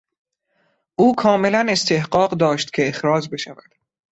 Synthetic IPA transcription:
ʔuːkʰɒːme̞læne̞st̪ʰe̞hɢɒːɢd̪ɒːʃt̪cʰeːxɾɒːd͡ʒbe̞ʃævæd̪̥

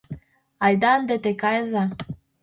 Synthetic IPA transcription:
ajd̪and̪et̪ekajza

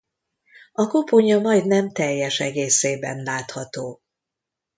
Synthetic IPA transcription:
ɒko̞poɲɒmɒjd̪nɛmt̪ɛjːɛʃɛɡeːseːbɛ̰nlaːt̪hɒt̪oː

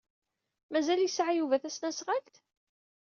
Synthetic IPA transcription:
mæzæljəsʕajuvæθæsnæsʁalt̪

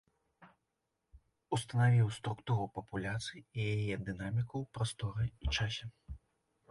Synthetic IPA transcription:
ust̪ɐnavʲiwst̪ɾukt̪uɾupɐpulʲat̪sɨjijajɛd̪ɨnamʲikɐwpɾast̪ɔɾɨit͡ʂasʲɛ

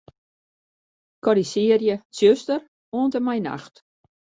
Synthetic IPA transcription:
kɔɾisɪərjəsjøstər | oəntəmɛjna̰xt

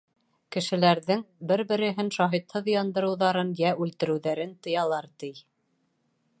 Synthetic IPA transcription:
kɘ̆ʃɘ̆læɾðɘŋbɘɾbɘ̆ɾɘ̆ɦɘnʃɑɦit̪hɤðjɑnd̪ɤ̆ɾɤ̆wðɑɾɤnjæʉlt̪ɘ̆ɾɘ̆wðæɾɘnt̪ɤ̆jɑlˠɑɾt̪ij

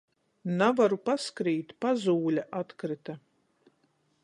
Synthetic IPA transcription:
navaɾupaskɾiːt̪ʲpazuːlʲaʔat̪kɾɪt̪a

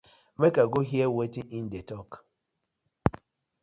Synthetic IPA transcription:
mekaɡoɦjewetiʔin̩detɔk

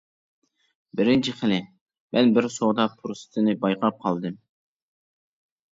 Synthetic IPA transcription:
bɪɾɪnt͡ʃʰiχəlɪ | mʔɛnbɪɾsod̪ɑpʰuɾst̪ʰɨnɨbɑjqʰɑp̚qʰɑlˠd̪ɨm

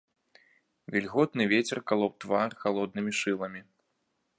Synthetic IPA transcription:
vʲilʲɣɔt̪nɨvʲet͡sʲɛrkalˠɔp̚t̪varxalˠɔd̪nɨmʲiʂɨlˠɐmʲi

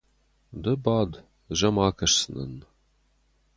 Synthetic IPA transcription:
d̪ɐbaːd̪ | ʒɐmaːkʰɐʂsɨnɐ̰n

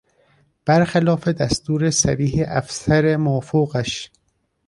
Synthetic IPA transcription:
b̥æɾxelɒːfed̪æst̪uːɾesæɾiːɦeʔæfsæɾemofoɣæʃ

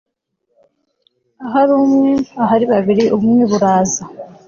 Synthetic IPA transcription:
aɦaɾuːmŋe̞aɦaɾiβaβiɾiʔuβumŋeβuɾaːza

